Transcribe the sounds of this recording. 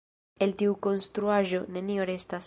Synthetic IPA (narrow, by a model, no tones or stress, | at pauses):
elt̪iuko̞nst̪ɾuaʒo̞nenioɾest̪as